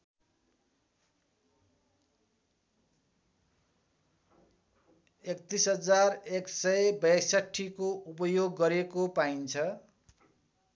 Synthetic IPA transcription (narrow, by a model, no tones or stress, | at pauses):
ekt̪isɦʌd͡zareksʌjbʌjsaʈʰːikoupʌjoɡːʌɾekopaint͡sʰʌ